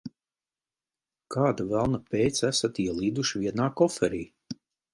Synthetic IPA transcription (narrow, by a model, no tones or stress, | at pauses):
kʰaːd̪avælˠnapʲejt̪sæsat̪iɛlˠiːd̪uʃivʲiɛnaːkɔfɛɾiː